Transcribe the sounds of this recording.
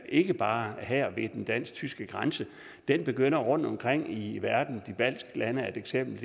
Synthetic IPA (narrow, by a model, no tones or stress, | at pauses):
ʔe̝ɡ̥əb̥ɑ̈ːɦæɐ̰ʋe̝d̥end̥æn̰st͡sʰysɡ̥əɡ̥ʁansə | d̥enb̥e̝ɡ̥øn̰ɐʁɔ̽n̰d̥ɒ̽mkʰʁeŋ̰iʋæɐd̥n̩d̥ib̥æl̰sɡ̥lænəæd̥eɡ̥sem̰b̥l̩